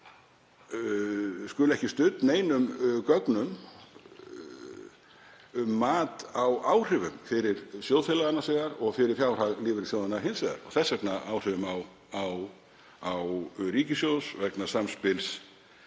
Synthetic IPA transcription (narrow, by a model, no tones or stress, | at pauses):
skʏlɛhcɪst̪ʏt̪neːjnʏmkœknʏm | mːaːt̪awaːwr̥ɪvʏmfɪɾɪɾ̥sjowðfɪlaðanasɛɣaɾɔɣfɪɾɪɾ̥fjaːwr̥aɣlɪːvɪɾsjoːwðanaɦɪnsɛða̰ɾɔɣθɛsːɛknaaːwr̥ɪvʏmaw | aw | awɾiːcɪsjoːwsvɛknasamspɪls